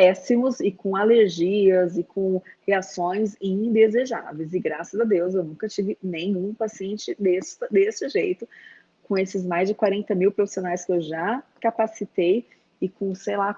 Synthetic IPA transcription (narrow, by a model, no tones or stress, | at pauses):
pɛsimʊzɪkõaleɾʒiɐzɪkʰõheasõj̃zĩd̪ezeʒa̰vejzɪɡɾasɐzɐd̪ewsewnũkɐt͡ʃivɪnẽj̃ũpasiẽnt͡ʃɪd̪est̪ɐd̪est͡ʃɪʒejt̪ʊ | kõesɪzmajzd͡ʒɪkwaɾẽnt̪ɐmiwpɾofi̥sionajskɪewʒakapasit̪ej | ɪkõsejla